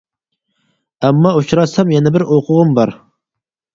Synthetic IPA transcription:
ɛmːɑot͡ʃɾɑsɛmjɛnɛbɪɾʔoqʰʊʁʊmbɑɾ

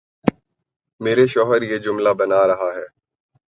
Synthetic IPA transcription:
meːɾeʃɔːɦəɾjeːd͡ʒʊmlabɐnaɾɐɦaɦɛː

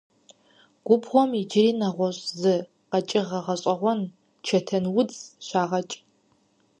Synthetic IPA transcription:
ɡ̥ʷʊbʁʷɔmid͡ʒɪriːnɐʁʷɔɕʼzɨ | qɐt͡ʃʼɪʁɐʁɐɕʼɐʁʷɔn | t͡ʃʰɐtʰɐnwʊt͡sɕʷaːʁɐt͡ʃʼ

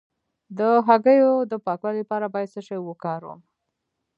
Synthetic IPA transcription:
d̪əɦaɡəjod̪əpɑkwalipɑɾabɑjad̪səʃajwəkɑɾwə̰m

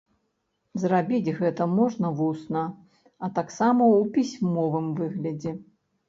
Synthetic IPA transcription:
zrabʲid͡zʲɣɛt̪ɐmɔʐnɐvusnɐ | ɐt̪aksamɐwpʲisʲmɔvɨmvɨɣlʲɐd͡zʲɛ

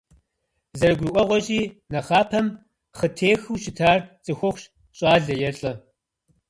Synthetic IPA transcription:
zɐɾɨɡʷiʔʷɔʁʷɔɕʼiːnɐχaːpʰɐm | χətʰeːxɨwʃɪtʰaːrt͡sʼɨxʷʊχʷɕ | ɕʼaːɮɐjɛɬʼɐ

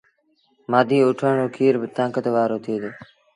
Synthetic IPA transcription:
maːd̪ʱiːʊʈʰəɳoːkʰiːɾbət̪ãːkət̪ʋaːɾoːt̪ʰiːd̪oː

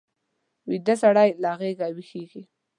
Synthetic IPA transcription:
wid̪asaɽajlaɣeɡawixeɡi

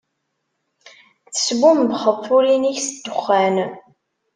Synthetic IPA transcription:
θə̥sɡʷumbχəðθuliniçsəd̪̥ːʊχːæn

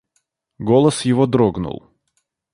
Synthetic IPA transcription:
ɡolˠəsjɪvod̪ɾoɡnʊ̰lˠ

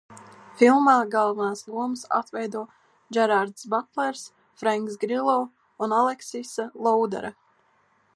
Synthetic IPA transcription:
filˠmaːɡalˠvanaːsd̪uɔmsa̰t̪vɛjd̪uɔ | d͡ʒɛɾaɾd̪sbat̪lˠɛɾs | fɾaŋks̬ɡɾilˠɔ | unalˠɛksisalˠɔwd̪ɛ̰ɾa

